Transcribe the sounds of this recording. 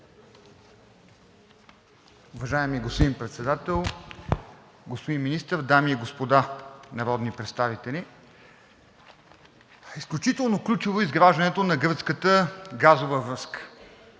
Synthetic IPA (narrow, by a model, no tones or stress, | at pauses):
ʊvɐʒaɛmiɡospod̪inpɾɛt̪sɛd̪at̪ɛlˠ | ɡospod̪inminist̪əɾd̪amiiɡospod̪anɐɾɔd̪nipɾɛt̪st̪avit̪ɛlʲi | isklʲut͡ʃit̪ɛlˠnoklʲut͡ʃivoizɡɾaʒd̪ɐnɛt̪onɐɡɤɾt̪skət̪əɡazovəvɾɤskə̥